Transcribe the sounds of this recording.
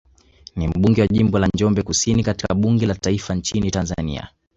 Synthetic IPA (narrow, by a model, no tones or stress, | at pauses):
nim̩ɓuŋɡɛwaʄimbɔlannd͡ʒɔmbɛkusinikati̥kaɓuŋɡɛlataifant͡ʃinitanza̰nḭa̰